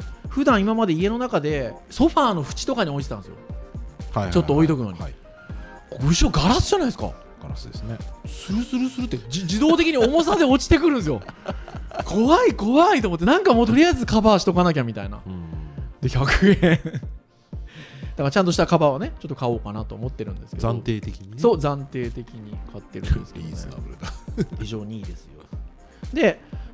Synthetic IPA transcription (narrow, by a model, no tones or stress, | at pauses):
ɸɯ̟d̪ãɰ̃imamad̪e̞ie̞no̞nakad̪e̞so̞ɸaːno̞ɸɯ̟̥t͡ɕi̥t̪o̞kaɲ̟io̞it̪et̪ãsɨjo̞̰hat͡ɕot̪ːo̞oit̪o̞kɯ̟no̞̰ɲi | ooiɕo̞ɡaɾasɨʑanaisɨ̥ka̰ | ɡɾasd̪esnesɨɾɯ̟sɨɾɯ̟sɨɾɯ̟t̪ːed͡ʑid̪o̞ːt̪e̞kʲiɲ̟io̞mo̞s̬ad̪e̞o̞t͡ɕi̥t̪e̞kɯ̟ɾɯ̟̃s̬ɨjo | kʰo̞βaiko̞βait̪omot̪ːe̞nãŋkamo̞ːt̪o̞ɾʲijaizɨkabaɕi̥t̪o̞kanak̬ʲamʲit̪aina̰ | d̪eçʲakɯɡẽ | d̪akaɾat͡ɕãnt̪oɕi̥t̪akabaβane̞t͡ɕo̞t̪ːo̞kao̞ːkanat̪o̞ːmo̞t̪ːe̞ɾɯ̟̃nd̪e̞sɨ̥keãnt̪eːt̪ekʲiɲiso̞ːzãnt̪e̞ːt̪e̞kʲiɲ̟ikʰat̪ːe̞ɾɯ̟̰̃d̪esɨ̥kea̰ɾt̪açiʑo̞ːɲ̟iiːd̪e̞sɨ̥jo | d̪e̞